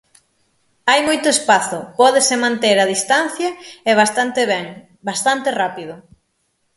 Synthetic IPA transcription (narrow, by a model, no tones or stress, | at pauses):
ajmojt̪ʊespaθʊpɔðesemãnt̪eɾaðist̪an̟θjɐɛβast̪ant̪eβɛŋ | bast̪ant̪ɪrapiðʊ